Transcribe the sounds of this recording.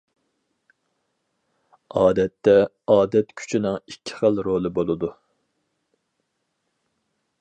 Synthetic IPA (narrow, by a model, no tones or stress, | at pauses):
ɑːd̪ɛt̪ːɛ | ɑːd̪ɛt̪kʲʰy̥t͡ʃʰinɪŋikʲʰːɪ̥χəlˠɾolˠɨbolˠɨd̪u